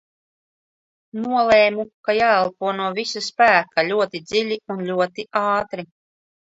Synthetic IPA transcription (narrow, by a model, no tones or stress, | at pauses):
nuɔlˠeːmukajaːɛlˠpuɔnuɔvisaspæːkalʲuɔt̪id̪zilʲiunlʲuɔt̪iʔaːt̪ɾi